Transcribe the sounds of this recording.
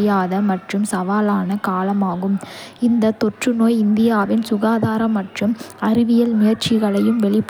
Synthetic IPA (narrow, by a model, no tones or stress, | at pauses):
jaːðɐmɐʈrɯmsɐʋaːlaːnɐkaːlɐmaːɣɯmɪnd̪ɐt̪ɔʈrɯnoːjɪnd̪ɪjaːʋɪnsʊɣaːðaːɾɐmːɐʈrɯmɐɾɪʋɪjɐlmʊjɐɾt͡ʃɪɣɐɭɐjɯmʋɛɭɪpː